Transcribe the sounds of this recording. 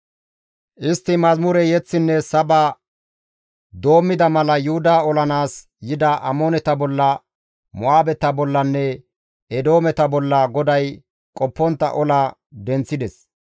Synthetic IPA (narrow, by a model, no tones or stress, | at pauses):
ʔɪst̪ːɪmɐzmʊɾɛjɛt͡sːɪnːɛsɐbɐ | d̪o̞ːmːɪd̪ɐmɐlɐjʊhʊd̪aɔlɐnaːs | jɪd̪ɐʔɐmoːnɛt̪ɐbɔlːɐ | mɔaːbɛt̪ɐbɔlːɐnːɛ | ɛd̪o̞ːmɛt̪ɐbɔlːɐɡɔd̪ɐj | kʼɔpːɔnt̪ːɐ̰ʔɔlɐ | d̪ɛnt͡sːɪd̪ɛs